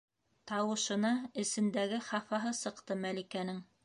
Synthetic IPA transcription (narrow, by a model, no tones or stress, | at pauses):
t̪ɑwɤ̆ʃɤ̆nɑɘ̆sɘ̆nd̪æɡɘχɑfɑɦɤsɤ̆qt̪ɤmælikænɘŋ